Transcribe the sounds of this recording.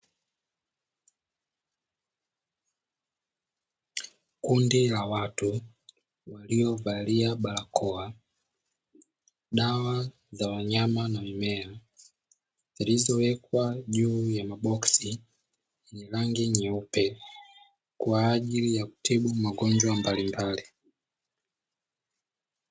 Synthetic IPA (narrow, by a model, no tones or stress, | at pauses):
kundilawatu | waliɔvaliaɓalakʰɔa | ɗawa | zawaɲamanamimɛa | zilizɔwɛkwaʄuːjamaɓɔksi | nilaŋɡiɲɛupɛ | kwaːʄilijaku̥tʰiɓumaɡɔɲd͡ʒwambalimbali